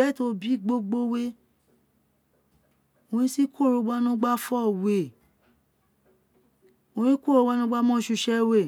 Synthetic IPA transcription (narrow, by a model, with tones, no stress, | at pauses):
ɛ˨˦to˧bi˨˦ɡ͡bo˧ɡ͡bo˧we˧ | o˨˧nĩ˦si˦kʰo˦˨ɾo˧˦ɡ͡ba˧nũ˦ɡ͡ba˦fɔ˦˨we˨ | o˧nĩ˦ko˦ɾo˧wa˧nũ˦ɡ͡ba˧mɔ̃˦ʃu˧ʃɛ˧we˦˨